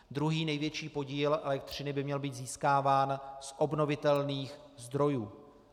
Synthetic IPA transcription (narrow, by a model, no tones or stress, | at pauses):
d̪ɾuɦiːnɛjvjɛt͡ʃiːpo̞ɟiːlʔɛlɛkt̪r̝̥ɪnɪbɪmɲɛlbiːt̪ziːskaːvaːnsʔo̞bno̞vɪt̪ɛlniːx | zd̪ɾo̞juː